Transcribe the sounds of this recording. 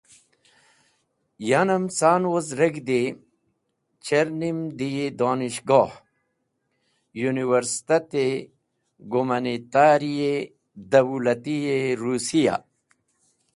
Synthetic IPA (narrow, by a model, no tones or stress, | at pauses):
janɐmsaːnwozɾeɡd̪e | t͡ɕeɾnimd̪ijed̪oːniɕɡoːh | juniwɐɾst̪ɐt̪e | ɡumɐnit̪aːɾije | d̪ɐwulɐt̪ijeɾuːsija̰